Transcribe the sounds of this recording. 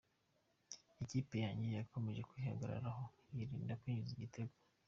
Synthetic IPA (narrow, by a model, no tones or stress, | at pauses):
iciːpe̞jaːɲɟijako̞me̞ʒe̞kwihaɡaɾa̰ɾaɦo | jiɾiːndakwiːɲuziɟitʰeɡwo